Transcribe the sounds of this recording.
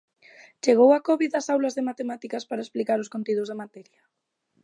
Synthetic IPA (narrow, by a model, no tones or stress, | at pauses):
t͡ʃeɣ̞owakɔβiðɐsawlazðemat̪emat̪ikaspaɾaesplikaɾoskont̪iðʊzð̞emat̪ɛɾjɐ